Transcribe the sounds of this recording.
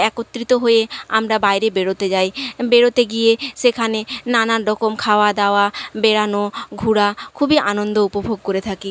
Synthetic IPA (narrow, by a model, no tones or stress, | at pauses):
ɛkot̪ːɾit̪oɦojea̰mɾabajɾebeɽot̪ed͡ʑajbeɽot̪eɡijeʃekʰanenanaɾːɔkomkʰaoad̪aoabeɽanoɡʱuɽakʰubiʔa̰nond̪oupobʱoɡ̚koɾet̪ʰaki